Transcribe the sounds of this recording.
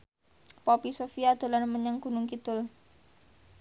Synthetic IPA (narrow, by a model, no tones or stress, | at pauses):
popisofiad̪̥o̤lanməɲaŋɡ̥ṳnʊŋkit̪ʊl